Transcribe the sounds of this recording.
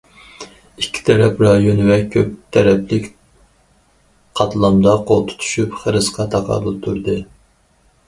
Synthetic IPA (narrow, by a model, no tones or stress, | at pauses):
ikʲʰːi̥t̪ʰɛɾɛpɾɑjonɨwɛkʲʰːøp̚t̪ʰɛɾɛplɪkʲ | qʰɑt̪ʰlˠɑmd̪ɑqʰolˠt̪ʰʊ̥t̪ʰy̥ʃypχəɾɨsqɑt̪ʰɑqʰɑ̰lɨt̪ʰuɾd̪ɨ